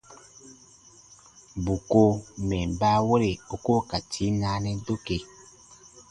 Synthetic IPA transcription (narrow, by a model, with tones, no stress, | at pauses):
bu˨ko˦mɛ˨m˨ba˦wo˦ɾe˨o˨ko˦ka˨tʰi˨˦na˦nɛ˦do˦ke˨